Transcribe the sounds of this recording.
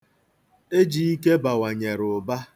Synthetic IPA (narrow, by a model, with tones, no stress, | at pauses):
e˦d͡ʒi˨i˦ke˦ba˨wa˨ɲe˨ɾʊ˨ba˦